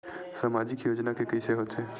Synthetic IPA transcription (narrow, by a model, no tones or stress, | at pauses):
samaːd͡ʒɪkjoːd͡ʒnakekɐiseɦot̪ʰeː